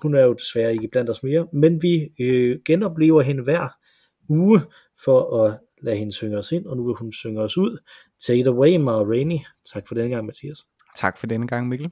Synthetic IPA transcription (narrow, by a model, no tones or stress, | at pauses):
hunæɐjo̝d̥e̝sʋæːɐe̝ɡ̥əb̥læn̰d̥ɒ̽sme̝ːɐmenʋiɡ̥enɒ̽b̥le̝ːʊɐɦe̝nəʋæɐ̰ | uːə | fɒ̽ɒ̽ | lɛ̰ːɦe̝nəsøŋəɒse̝n̰ɒ̽nuʋe̝hunsøŋəɒ̽suð̞̰ˠ | t͡sʰeɪɡdæweɪmɑʁeɪnit͡sʰɑ̈ɡ̥fɒ̽denəɡ̥ɑ̈ŋ̰mæt͡sʰḭæs | t͡sʰɑ̈ɡ̥fɒd̥enəɡ̥ɑ̈ŋ̰miɡ̥l̩